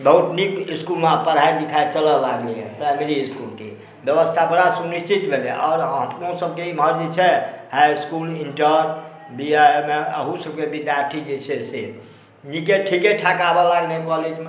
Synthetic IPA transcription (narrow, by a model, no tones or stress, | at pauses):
bəut̪nikiskulmepəɾɦailikʰaet͡ʃələlaɡliɦɛ̰̃pɾajmeɾiiskulke | bjəbəst̪ʰapəɾasuniʃt͡ʃit̪bʱelḛʔɔːɾɦəmkosəb̚keiməɾd͡ʒit͡ʃʰɛhajskuliɳʈəɾ | biaemeəɦũsəb̚kebid̪jaɾʈʰid͡ʒet͡ʃʰɛse | nikeʈʰikeʈʰakabɔlaɡnəikɔled͡ʒme